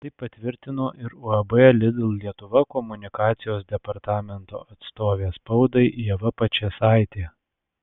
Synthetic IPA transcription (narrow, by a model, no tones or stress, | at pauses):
t̪ɐɪppːɐt̪ʲʋʲɪɾʲt̪ʲɪnoːʔɪɾʊɐbɛlʲɪd̪ʲɪlˠlʲiɛt̪ʊʋɐkɔmʊnʲɪkɑːt̪sʲɪjoːs̬d̪ʲɛpɐɾt̪ɑːmʲɛnt̪o̰ːɐt̪st̪oːʋʲeːspɒʊd̪ɐɪʔiɛʋɐpɐt͡ʃʲeːsɑˑɪt̪ʲeː